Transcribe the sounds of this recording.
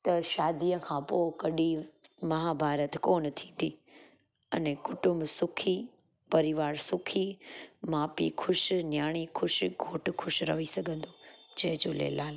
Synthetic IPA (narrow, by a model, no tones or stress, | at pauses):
t̪ɐʃaːd̪iːəkʰãːpoːkɐɗimɐɦaːbʱaːɾət̪koːnt̪ʰĩːn̆d̪iː | ɐ̰nẽkʊʈʊmbsʊkʰi | pɐɾɪʋaːɾsʊkʰimaːpḭkʰʊʃnjaːɽ̃ikʰʊʃɡʱoːʈkʰʊʃɾɐ̰ʋisɐɡʱə̃nd̪oːd͡ʑɐɦɪ̃d͡ʑoːlḛːlaːl